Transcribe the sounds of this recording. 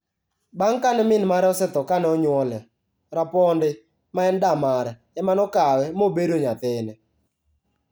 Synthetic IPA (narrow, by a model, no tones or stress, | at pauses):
baŋkanɛmɪnmaɾɛɔsɛt̪ɔkanɛɔɲwɔlɛ | ɾapɔndɪ | maɛndamaɾɛ | ɛmanɔkawɛmobedoɲat̪ɪnɛ